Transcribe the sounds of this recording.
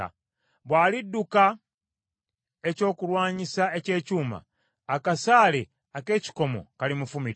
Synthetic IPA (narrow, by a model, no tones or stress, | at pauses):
βwaːlidːuka | e̞co̞ːkulwaːɲisaece̞ːcuːma̰ː | kasaːle | ake̞ːci̥ko̞mo̞̰kalimufumiɾ